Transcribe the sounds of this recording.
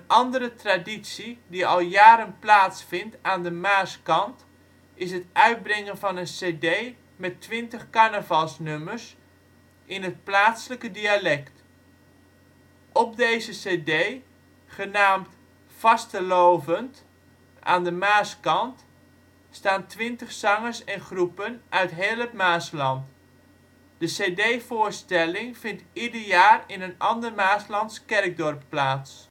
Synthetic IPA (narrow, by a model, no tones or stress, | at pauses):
ənɑndərətraditsidiɑlˠjaːɾənplaːtsfɪntaːndəmaːskɑnt | ɪsɦətʔœɥd̚brɛŋənvɑnənseːdej | mɛtːʋɪntəχkanəvɑlˠsnømərs | ʔɪnɦət̚plaːtsələkədialɛkt | ʔɔp̚dejzəseːdej | χənaːmt | fɑstəlowvənt | ʔa̰ːndəmaːskɑnt | staːntʋɪntəχsɑŋəsɛnχrupənʔœɥtɦeːlˠətmaːslɑnt | d̥əsedejvʊːɹstɛlɪŋfɪntidəɹjaːrɪnənɑndərmaːslɑntskɛrɡ̚dɔrpːlaːts